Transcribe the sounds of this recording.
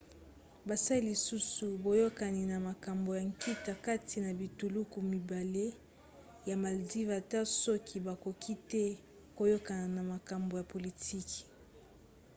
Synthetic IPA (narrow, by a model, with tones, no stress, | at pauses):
ba˨sa˦i˦li˨su˦su˨bo˨jo˦ka˨ni˨na˨ma˨ka˨mbo˨ja˨ŋki˦ta˨ka˦tʰi˨na˨bi˨tu˨lu˦ku˨mi˨ba˨le˦ | ja˨ma˨ldi˦va˨ta˦sɔ˦kʰi˨ba˨ko˨kʰi˦tɛ˦ | ko˨jo˦ka˨na˨na˨ma˨ka˨mbo˨ja˨po˨li˨tʰi˦ki̥˨